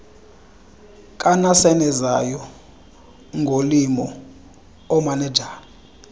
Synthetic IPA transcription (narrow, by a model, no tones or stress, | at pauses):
kʼanasɛnɛzajɔ | ŋɡʱolimɔ | ɔmanɛd͡ʒʱaːl